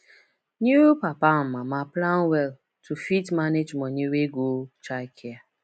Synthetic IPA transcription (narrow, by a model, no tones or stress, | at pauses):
ɲiɾupapamamaplanwɛl | tʰufitmaned͡ʒmɔɲeɾeɡot͡ʃaɪkʰɪa